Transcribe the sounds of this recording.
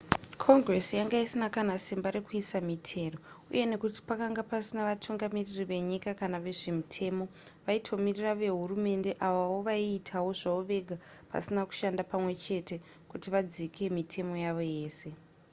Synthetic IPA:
kʰo̞ŋɡre̞sijaŋɡaisinakanasimbaɾekuisamitʰe̞ːro̞ | ṵje̞ne̞kuti̥pakaŋɡapasinaʋatʰuŋɡamiririʋe̞ɲikakanaʋe̞ʐe̞mitʰe̞ːmo̞ | ʋaitʰo̞miriraʋe̞ɦurume̞nde̞ʔaʋawo̞ʋaiːtʰawo̞ʐauʋe̞ɡʱa | pa̰sinaku̥ʃandapamwe̞t͡ʃe̞te̞ | kutiʋad͡zikʰe̞mitʰe̞mo̞jaʋo̞je̞ːse̞

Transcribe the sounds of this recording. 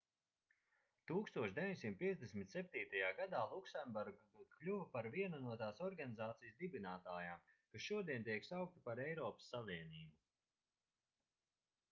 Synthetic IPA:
t̪uːkst̪uɔʃd̪evʲiɲʲsimt̪̚pʲiɛzd̪esʲmʲit̪ʲsʲɛp̚t̪iːt̪ajaːɡad̪aːlˠuksɛnbuɾɡad̪ut̪klʲuvɐpaɾviɛnanuɔt̪aːsɔɾɡanizaːt̪sijəsd̪ibinaːt̪aːjaːmkasʃuɔd̪iɛnt̪̬ʲiɛksawk̚t̪i̥paɾɛjɾɔːpə̥sːaliɛniːbu

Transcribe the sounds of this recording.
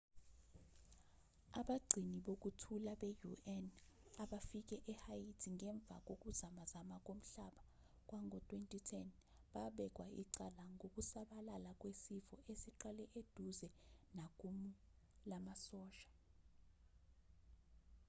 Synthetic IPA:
aɓaɡ͡ǀʱiniɓok̬ʼutʰulaɓejuʔɛnaɓafik̬ʼɛʔɛhajitʰiŋʱɛɱb̪vʱa̰k̬ʼok̬ʼuzamazamak̬ʼom̩ɬaɓa | k̬ʼwaŋʱɔtʼwentʼitʰɛn | ɓaɓɛk̬ʼwaḭǀalaŋɡʱok̬ʼusaɓalalak̬ʼwesifɔʔesiǃalɛʔed̥ʱuzɛnak̬ʼumu | lamasɔːʃḁ

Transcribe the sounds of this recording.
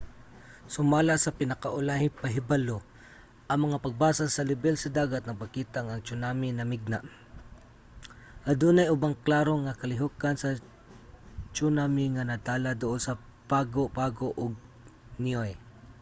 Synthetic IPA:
sʊmaːlasɐpɪnɐkaʔʊlahɪpaɦɪbalo | ʔɐŋmɐŋapaɡ̚baːsasɐlɪbɛlsɐd̪aːɡat̪nɐŋpakiːt̪aŋaŋt͡ʃʊnamɪnɐmɪɡ̚naʔ | ʔad̪unajʊbaŋklaːɾoŋakɐlɪɦʊkansɐ | t͡ʃunamɪŋanat̪aːlad̪ʊʔonsɐ | paɡoʔpaɡoʔʊɡ̚ | nioj

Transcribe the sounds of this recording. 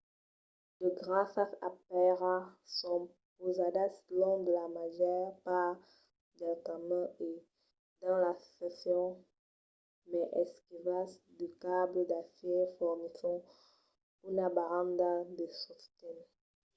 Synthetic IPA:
dəɡʁasaapɛʁasɔ̃ | pozad̪aslɔ̃d̪əlamaʒjɛʁpaʁ | d̪ɛltamə̃e | d̪ɑ̃lasɛsjɔ̃ | mɛʔɛskivasd̪ykabləd̪afifɔʁnisɔ̃ | unabaʁɑ̃nd̪ad̪əsɔst̪ɛn

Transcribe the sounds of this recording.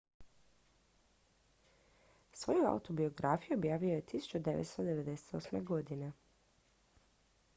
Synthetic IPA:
sʋo̞jua̰ṵt̪o̞bio̞ɡɾafijuobjaːʋijoje̞t̪isu̥t͡ʃud̪eʋḛt̪st̪od̪e̞ʋe̞d̪e̞se̥t̪o̞sme̞̰ɡo̞d̪ine

